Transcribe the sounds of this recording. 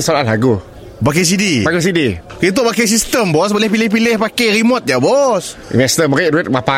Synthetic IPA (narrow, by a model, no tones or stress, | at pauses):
salanlaɡu | bak̬es̬idiaɡus̬idi | kit̪obakes̬ist̪əmbɔs̬bolɛhpilɪhpilɪhpakeɾimɔt̪̚jabɔsḭmɛst̪əməɾɪʔ̚ɾuɛt̪̚mapa